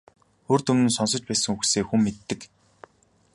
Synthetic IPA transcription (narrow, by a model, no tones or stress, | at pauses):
oːrt̪ɵmɘ̆nsɔns̬ɞ̆t͡ɕpæːsɘ̆ŋxuxseːxumːet̪ːɘ̆k